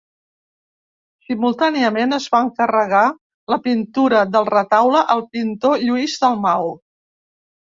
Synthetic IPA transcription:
simulˠt̪aniəmenəzβaəŋkərəɣ̞a | ləpint̪uɾəðəlˠrət̪awləʔəlˠpint̪oʎuizd̪əlˠmaw

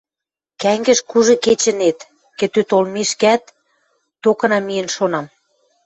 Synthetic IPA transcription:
kæŋɡə̆ʃkuʒɤ̆ket͡ɕə̆net̪ | kĕt̪øt̪olmeʃkæt̪ː | okɤ̆nɑmijə̆nʃonɑm

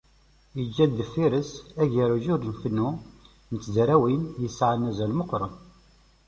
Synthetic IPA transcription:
jəd͡ʒːæd̪ːəfiɾəsæʝəɾuʒʊɾnfənːu | nət͡sːzɾæwinjəsːʕanæzælməqːɾˤən

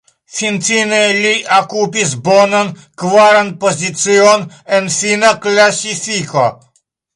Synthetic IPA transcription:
fint͡sinɛlʲiʔakupisbɔnɐn | kvaɾan̚pozʲit̪sion | ɛnfinaklasifiko

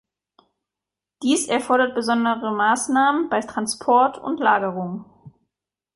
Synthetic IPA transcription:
d̥iːsʔɛɐfɔɐɾɐt̚b̥əzɔndəʁəmaːsnaːmənb̥aɪtʁ̥anspʰɔɐtʰʊ̰ntlaːɡəʁʊŋ

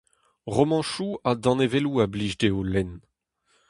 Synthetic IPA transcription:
ʁomɑ̃ʃuad̪ɑ̃neveluabliʒdeolɛn

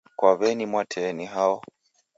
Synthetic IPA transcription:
kwaβɛnimwatʰɛːniɦaɔ

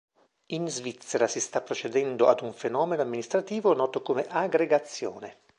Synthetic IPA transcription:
inzvit̪sːeɾasist̪apːɾot͡ʃed̪ɛnd̪oad̪uɱfenɔːmenoamːinist̪ɾat̪iːvonɔːt̪okomeʔaɡɾeɡat̪sːjo̰ːne

